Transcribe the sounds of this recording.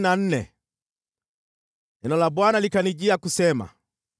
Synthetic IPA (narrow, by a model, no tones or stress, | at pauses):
nan̩nɛ̰ | ɛnɔlabwanalikaniɟiakusɛma̰